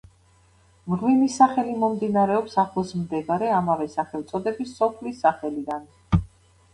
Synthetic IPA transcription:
mʁwinisaχɛlimɔmd̪inaɾɛɔpsaχlˠsmd̪ɛɡaɾɛamavɛsaχɛlt̪sʼɔd̪ɛbisːɔpʰlisːaχɛlid̪an

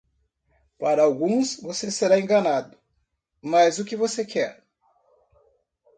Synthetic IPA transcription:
paɾɐawɡũsvoseseɾaẽŋɡɐnad̪ʊ | mɐzʊkɪvosekʰɛɾ

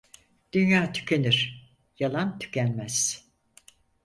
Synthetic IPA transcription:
d̪̥ynjaːt̪ʰy̥cʰeniɾ̥ | jalˠant̪ʰy̥cʰænmæz̥

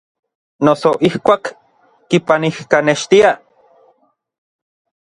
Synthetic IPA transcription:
nosoʔihkʷaːkː | ipanihkaneʃt̪ia

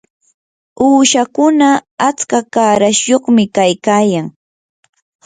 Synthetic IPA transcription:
uːʃakʊnaat͡skakaːɾaʃjoχmɪkajkaːjaŋ

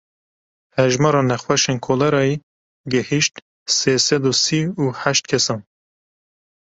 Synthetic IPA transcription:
hɛʒmɑɾɑːnɛxwɛʃeːnkʰoːlɛɾɑːi | ɡɛhiʃt̪ | seːsɛd̪usiːuːħæʃt̪̚kʰɛsɑːn

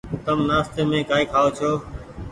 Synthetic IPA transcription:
t̪əmnaːst̪eːmẽːkaːiːkʰaːoːt͡ʃʰoː

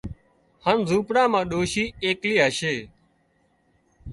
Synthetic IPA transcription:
hənzuːpɽãːmãːɗoːʃiːeːkliːɦaːʃeː

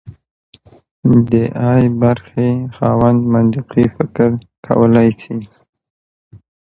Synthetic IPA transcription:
d̪əʔɑjbaɾxexɑwand̪mand̪ɪqifɪkɪɾ | kʰa̰wəlajsi

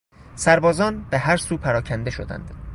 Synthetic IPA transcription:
sæɾbɒːzɒːnb̥eɦæɾsuːpʰæɾɒːcʰænd̪e̞ʃo̰d̪æ̰nd̪̥

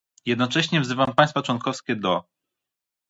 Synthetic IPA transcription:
jɛd̪nɔt͡ʂɛɕɲɛvzɘvampaj̃st̪fat͡ʂwɔnkɔfskʲɛd̪ɔ

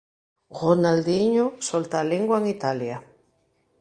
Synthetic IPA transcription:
ɣonald̪iɲosolt̪aleŋɡwaeŋit̪alja

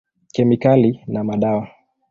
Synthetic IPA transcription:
kɛmikalinamaɗawa

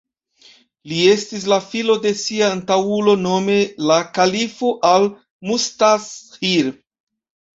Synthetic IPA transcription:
lie̞stis̬lafilo̞de̞siaːntawulo̞no̞me̞lakalifoʔal | mustashiɾ

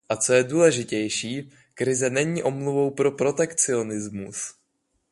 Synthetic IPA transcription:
ʔat͡so̞jɛduːlɛʒɪcɛjʃiː | kɾɪzɛnɛɲiːʔo̞mluvo̞wpɾo̞pɾo̞t̪ɛkt͡sɪo̞nɪzmus

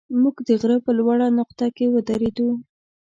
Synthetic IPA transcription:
muɡd̪əɣɾəpəlwaɽanʊqt̪akewəd̪aɾed̪u

